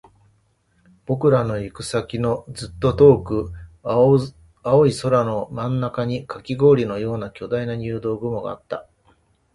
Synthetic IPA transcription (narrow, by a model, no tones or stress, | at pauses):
b̥o̞kɯ̟ɾano̞ikɯ̟sakʲino̞d͡zɨt̪ːo̞t̪o̞ːkɯ̟ | ao̞iso̞ɾano̞mãnːakaɲ̟ikakʲiɡo̞ːɾʲino̞jo̞ːnakʲo̞d̪ainaɲ̟ʲɯːd̪o̞ːɡɯ̟mo̞ɡa̰ːt̪ːa